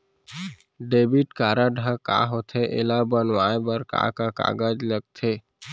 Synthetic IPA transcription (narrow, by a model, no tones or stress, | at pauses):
ɖeːbiʈkaːɾaɖʱəka̰ɦot̪ʰeʔḛlabənwaːebəɾka̰kaka̰ːɡəd͡ʒləɡ̚t̪ʰeː